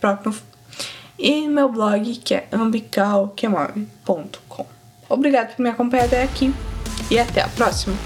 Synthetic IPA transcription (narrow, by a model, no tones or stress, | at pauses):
pɾɔpɾʊf | ɪmewblɔɡɪkɪɛ̰ɐ̃bikawkemɔ̰vɪpõnt̪ʊ̥kʰõ̰w̃ | obɾiɡad̪ʊpoɾmĩakõpɐ̃ɲad̪ɐɛakiɪat̪ɛa̰pɾɔsimɐ